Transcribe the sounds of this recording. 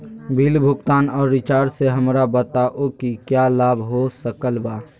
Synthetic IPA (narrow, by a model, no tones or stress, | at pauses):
bʱilbʱʊkt̪aːnɔːɾːɪt͡ʃaːɾseɦəmɾabət̪aʔokikjalaːbʱɦosəkəlbaː